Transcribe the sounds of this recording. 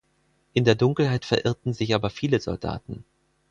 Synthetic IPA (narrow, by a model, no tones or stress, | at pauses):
ʔɪndeːɐdʊŋkl̩haɪtfɛɐʔɪɐtn̩zɪçʔaːbɐfiːləzɔ̰lda̰ːtn̩